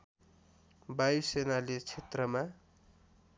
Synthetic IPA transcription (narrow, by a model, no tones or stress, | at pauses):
bajsenalet͡sʰet̪rʌma